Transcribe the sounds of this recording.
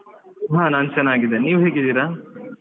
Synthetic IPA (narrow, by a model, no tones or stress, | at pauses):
ɦãːnaːnt͡ʃɐnːaːɡid̪eniːʋɦeːɡid̪iːɾaː